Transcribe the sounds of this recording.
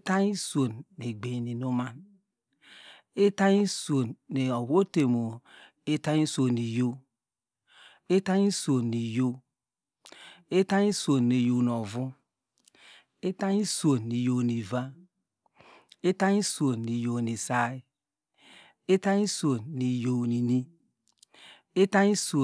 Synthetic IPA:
ta˦ɲi˦so˨nːe˨ɡ͡be˨ni˨no˦ma˨n | e˦ta˦ɲi˦so˨nːe˨o˨wo˦te˨mo˨ | e˦ta˦ɲi˦so˨ni˨jo˦ | e˦ta˦ɲi˦so˨nːi˨jo˦ | e˦ta˦ɲi˦so˨ne˨jo˨n˨ɔ˨vu˦ | e˦ta˦ɲi˦so˨ni˨jo˨ni˨va˦ | e˦ta˦ɲi˦su˨o˨ni˨jo˨ni˨sa˦i˦ | e˦ta˦ɲi˦so˨ni˨jo˨ni˨ni˦ | e˦ta˦ɲi˦so˨

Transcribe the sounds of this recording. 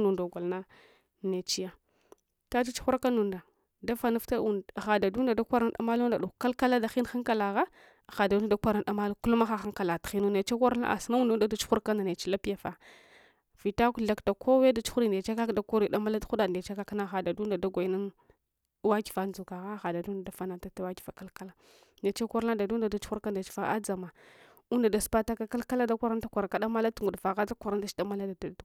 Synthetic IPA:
nu˨nda˨ɡʷa˨lna˦ | ne˨t͡ʃi˦ja˦ | ta˦t͡ʃi˦t͡ʃu̥˦xu˦ɾka˦nu˨nda˨ | da˦fa˦nu˦fta˦u˨xa˨da˨du˦nda˨da˦kʷa˦ɾa˦n˦ɗa̰˨ma˦lu˦n˦da˨ɗu˨ka˦lka˦la˦da˨xi˦n˦xa˦ŋka˦˨la˨ɣa˦˨ | xa˨du˦a˦da˦kʷa˦ɾa˨da˨ma˦lu˦ku˦lma˦xa˦xa˦ŋka˨la˨txi˦nu˦ne˨t͡ʃa˦ka˦ɾna̰˦ʔa̰˨si˦na˦wu˦du˦da˦da˦t͡ʃu̥˦xu˦ɾka˦nda˨ne˨t͡ʃi˦la˦pi˦ja˨fa˨ | vi˨ta˦ku˦ɬa˦kta˨ko˦we˦da˦t͡ʃu̥˦xu˦ɾi˦nde˨t͡ʃa˦ka˦kda˨ku˦ɾi˨da˦ma˦la˦tu˦a˨n˨e˨t͡ʃa˦ka˦kna˦xa˨da˨du˦nda˨da˦ɡʷa˨˦na˦n | wa˦ki̥˨fa˨nd͡zu˨ka˨ɣa˦xa˨da˨du˦nda˨da˨fa˦na˨ta˦ta˦wa˦ki̥˨va˨ka˦lka˦la˦ | ne˨t͡ʃa˦kʷa˦ɾna˦da˨du˦n˦da˨da˦t͡ʃu˦u˦ɾka˦n˨da˨t͡ʃi̥˨fa˦ʔa˦d͡za˨ma˨ | u˦nda˨da˨spa˦ta˦ka˦ka˦lka˦la˦da˦kʷa˦ɾa˦nta˦kʷa˨ɾa˨ka˦ɗa˦ma˦la˦tu˨ŋɡu˨dva˨ɣa˦da˦kʷa˨ɾa˦nda˦t͡ʃi̥˦da˦ma˦la˦da˨˦

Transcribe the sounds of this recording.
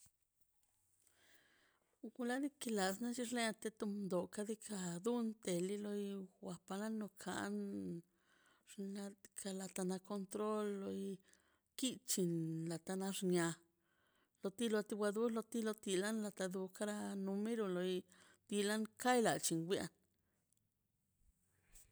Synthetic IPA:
u˧ɡu˧la˦d̪i˦ki˧la˨sna˦t͡ʃi˧ɾle˦a˧t̪e˧t̪u˧mnd̪o˨ka˧d̪i˦kʰa˧d̪u˦nt̪e˨li˦lo˧jwʷa˧pa˧la˦no˧kʰa̰˧˨ʔn | ʐa˧kʰa˧la˧t̪a˧na˧ko˧nt̪ɾo˦lːo˧j | ki˦t͡ʃi˧nla˨t̪a˧na˧ʐnja˧ | lo˧t̪i˦lo˧t̪i˧wʷa˧d̪u˦lo˧t̪i˦lo˧t̪i˧la˦nla˧t̪a˧d̪u˧ka˦ɾa˧nu˧me˦ɾo˧lo˧j | t̪i˧la˦nka˦jla˨t͡ʃi˧nɡʷja̰˧n

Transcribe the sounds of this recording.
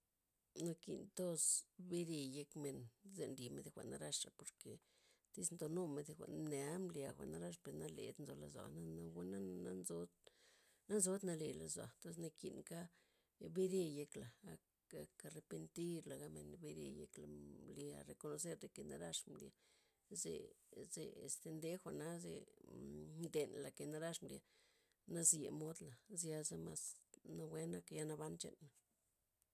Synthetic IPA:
no˧kḭ˧nt̪o˦sbe˦ɾe˧je˧kme˨˧nze˧nɾi˨me˧d̪e˧xʷa̰˨ʔna˦ɾa˦ʂa˨po˨ɾke˨ | t̪i˦snt̪o˧no˦me˧d̪e˧xʷa̰˨ʔnne˨˦mlja˨xʷa̰˨ʔna˦ɾa˦ʂ̬pe˨ɾna˦lḛ˨d̪nzo˧la̰˧zwa̰˨na˦na˦wa˦na˦a˦nzo˦d̪ | na˦nzo˦d̪na˧le˧˨la˧zwa̰˨nt̪o˦s̬na˧kḭ˨nka˦ | be˦ɾe˧je˦kla˨a˨ | a˨ka˧ɾe˧pe˧nt̪i˦ɾla˨ɡa˦mḛ˧nbe˦ɾḛ˧jḛ˧kla̰˨mli˧a̰˨ɾe˨ko˧no˧s̬e˦ɾd̪e˨ke˨na̰˦ɾa˦ʂmlḭ˧˨a˨ | zḛ˨ze˨ḛ˨st̪e˧nd̪e˦xʷa˨na˦zḛ˧ | md̪e˨nla˨ke˨na˦ɾa˦ʂmlja˨ | na˦zje˨mo˦d̪la˨zja˧za˦ma˧sna˦we˦na˦ka˧ja˧na˧βa˦nt͡ʃḛ˧nːa˨

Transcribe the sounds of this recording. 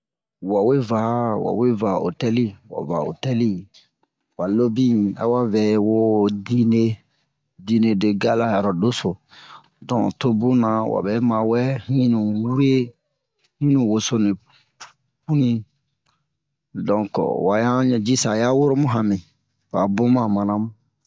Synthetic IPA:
wa˨we˦va˨wa̰˨we˦va˨o̰˨tɛ˦li˦wa̰˨va˨o̰˨tɛ˦li˦ | wa˨lo˦bĩ˦a̰˨wa˦vɛ˨wo˦di˦ne˦ | di˧ne˨de˨ɡa˦la˦ja˨ɾɔ˨do˦so˨ | dɔ̃˨to˦bũ˦nã˨wa̰˨bɛ˦mã˨wɛ˦hĩ˦nũ˨wu˦ɾe˦ | hĩ˦nũ˨wo˨so˦nĩ˨ | pu˦nĩ˦ | dɔ̃˨kwa˨jã˦ɲɛ˨d͡ʒi˦sa˨ja˦wo˦ɾo˦mũ˦ɦã˨mĩ˨ | wa˨bõ˦mã˨mã˨nã˦mũ˦

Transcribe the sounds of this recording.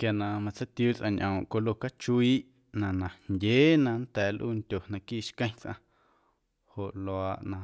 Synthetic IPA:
kja˨nã˧˨mã˧t͡sa˦t̪juː˦t͡sʔã̰˧ɲʔõ˨ʔko˧lo˧ka˦t͡ʃu˧iː˦ʔ | nã˨nã˨ndʲeː˨˦nã˧n̩t̪ɛː˨lʔṵː˦˧ntʲo˨nã˧kiː˦˨ʃkə̃˦j̃t͡sʔã̰˧ | ho˨ʔlo˨aː˧ʔnã˧

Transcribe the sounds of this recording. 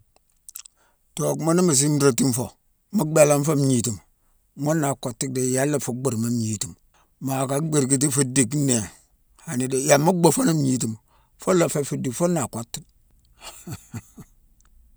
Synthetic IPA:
to˨kmo˦ni˦ma˨s̬i˦m˦ɾa˦˨ti˦m˦fo̰˨ | ma˦ɡ͡be˦la˦n˦fo˦m˦ɲi˨ti˨m | ŋo˦nːa˨ko˨tːi˦k̚de˨ja˦lːa˦˨fu˨˦ɡ͡bu˦˨ɾma˦mɲi˨˦ti˨m | ma˨ka˨˦ɡ͡be˨ɾki˨t̬i˦fu˦di˨kne˨ | ha˨ni˨de˨ja˨ma˦ɡ͡bo˦fo˦na˦m˦ɲi˦ti˨m | fo˦la˨fe˦fi˨di˨kfo˦na˨ko˦tːi̥˦k̚

